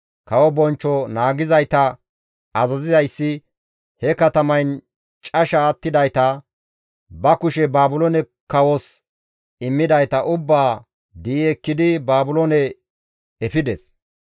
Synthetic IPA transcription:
kɐwɔbɔnt͡ʃːɔnaːɡɪzɐjt̪ɐ | ɐzɐzɪzɐjsːɪ | hɛkɐt̪ɐmɐjn | t͡ʃʼɐʃaːt̪ːɪd̪ɐjt̪ɐ | bɐkʊʃɛbaːbʊlɔnɛ | kɐwɔs | ɪmːɪd̪ɐjt̪ɐʔʊbːaː | d̪iːɛkːɪd̪ɪbaːbʊlonɛ | ɛfɪd̪ɛs

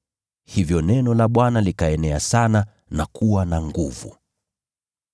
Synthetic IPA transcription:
hivjɔnɛnɔlaɓwanalikaɛnɛasana | nakuwanaŋɡuvṵ

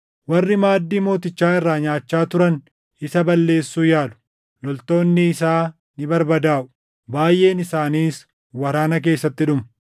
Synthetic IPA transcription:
wɐrːɪmaːd̪ːiːmo̞ːt̪ɪt͡ʃːaːɪrːaːɲaːt͡ʃːaːt̪ʊɾɐn | ɪsɐbɐlːe̞ːsːuːjaːlʊ̥ | lɔlt̪o̞ːnːɪːsaː | nɪbɐɾbɐd̪aːʔʊ̥ | baːjʔe̞ːnɪsaːniːs | wɐɾaːnɐke̞ːsːɐt̪ːɪᶑʊmɐ

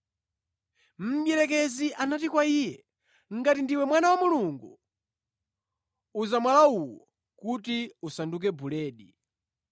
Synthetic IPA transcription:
m̩ɓjɛɾɛkɛziʔanatikwaiːjɛ | ŋ̩ɡatindiwɛmwanawamuluŋɡu | uzamwalauwɔ | kutiusanduk̬ɛbulɛːɗi

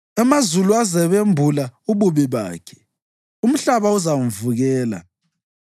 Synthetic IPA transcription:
ɛmazuluazɛβembʱulauβuβiβa̰ːkʰɛ̥ | um̩ɬaβauzam̩vuɣɛːla̰

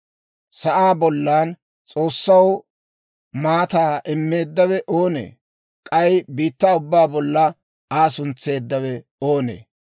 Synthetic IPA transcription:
sɐʔaːbɔlːaːn | t͡sʼo̞ːsːɐw | maːt̪aːʔɛmːe̞ːd̪ːɐwɛʔo̞ːnḛː | kʼɐjbiːt̪ːaːʊbːaːbɔlːɐ | aːsʊnt͡sːe̞ːd̪ːɐwɛ | oːnḛː

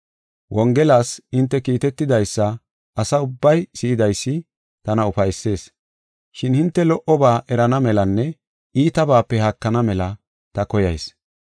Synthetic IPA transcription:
wʔɔŋɡɛlaːsɪnt̪ːɛkiːt̪ɛt̪ːɪd̪ɐjsːɐ | ɐsɐʊbːɐjsɪjɪd̪ɐjsːɪ | t̪ɐnɐʊfɐjsːe̞ːs | ʃɪnhɪnt̪ːɛlɔʔɔbaːʔɛɾɐnɐmɛlɐnːɛ | iːt̪ɐbaːpːɛhɐkːɐnɐmɛlɐ | t̪ɐkɔjɐ̰js

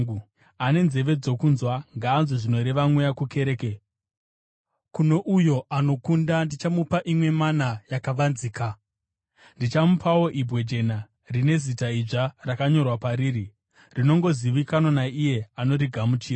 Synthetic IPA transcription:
ane̞nze̞ʋe̞d͡zo̞kunzwaŋɡaːnziʐino̞ɾe̞ʋamwujakuke̞ɾeːke | kuno̞ʔujo̞ano̞kundandit͡ʃamupaʔimwe̞manajakaʋanziːka | ndit͡ʃamupʰawo̞ʔibʱwe̞d͡ʒe̞na | rine̞zitaiʐarakaɲo̞rwapaɾiːri | rino̞ŋɡo̞ziʋikanonaije̞ano̞ɾiɡʱamut͡ʃiːra

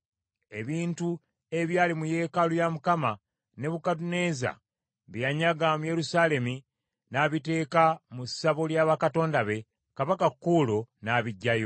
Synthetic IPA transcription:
e̞βiːntu | e̞βjaːlimuje̞ːkalujamukama | ne̞βukadune̞za̰ | βijaɲaɡamuje̞ɾusaːle̞mi | naβite̞ːkamusaβoljaːβakato̞ːndaβe̞ | kaβakakːuːlonaːβiɟːajo̞

